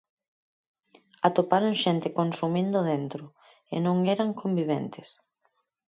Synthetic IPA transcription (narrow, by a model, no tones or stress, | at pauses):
at̪opaɾoŋʃɛnt̪ɪkonsumind̪ʊðent̪ɾo | ḛnõŋɛɾaŋkombiβ̞ɛ̰nt̪ɪs